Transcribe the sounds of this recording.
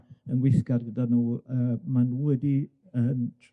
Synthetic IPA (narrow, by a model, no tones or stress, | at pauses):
ənwɪθkarɡədanuːəːmanuːwɛdi | əːmtʰ